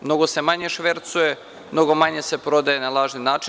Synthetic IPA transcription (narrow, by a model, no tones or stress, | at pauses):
mno̞ɡosemaɲe̞ʃʋeɾt̪suje | mno̞ɡo̞maɲesepɾo̞d̪ajenalˠaːʒninaːt͡ʃi